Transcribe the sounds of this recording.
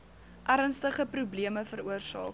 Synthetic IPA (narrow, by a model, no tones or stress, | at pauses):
ʔæɾənstəχəprubliəməfəɾuərsɑ̰ːk